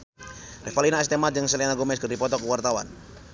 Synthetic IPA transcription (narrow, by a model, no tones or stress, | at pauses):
rɛfalinaɛst̪emad͡ʒəŋsəlɛnaɡomɛskərdipɔt̪ɔkəwart̪awa̰n